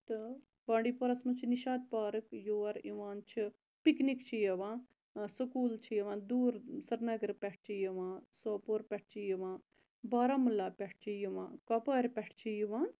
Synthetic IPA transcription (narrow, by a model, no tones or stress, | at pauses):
t̪ɨ | bãːɳɖiːpoɾɐsmɐt͡ʃʰiniʃaːd̪̚paːɾɨkjoːɐɾiʋaːnt͡ʃʰi | piknikt͡ʃʰijɐʋãː | sukuːlt͡ʃʰijɐʋãːd̪uːɾsɐɾnɐɡəɾpʲɛʈ̚ʰt͡ʃʰijiʋãːsoːpoːɾpʲɛʈʰt͡ʃʰijiʋãː | baːɾaːmulaːpʲɛʈʰt͡ʃʰijiʋã̰ːkɐpaːɾʲpɛʈʰt͡ʃʰijiʋãːn